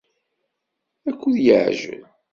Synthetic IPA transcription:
ækʷːuðjəʕʒə̰l

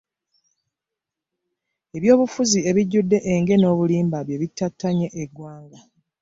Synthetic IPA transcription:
e̞βjo̞ːβufuzie̞βiɟːudːe̞ʔeŋɡe̞no̞ːβuliːmbaβje̞βitːatːaɲe̞ʔeɡwaːŋɡa

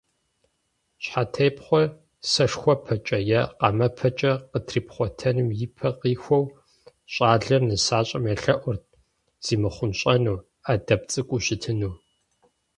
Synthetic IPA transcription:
ɕħatʰejpχʷɔ | sɐʂxʷɔpʰɐt͡ʃʼɐjɛqɐ̰mɐpʰɐt͡ʃʼɐqətʰriːpχʷɔtʰɐnɨmjɪpʰɐqiːxʷɔw | ɕʼaːɮɐrnɨsaːɕʼɐmɐɬɐʔʷʊrt̚ | z̥iːmɨχʷʊnɕʼɐnuː | adɐpt͡sʼɨkʷʼuɕɪtʰɨnuː

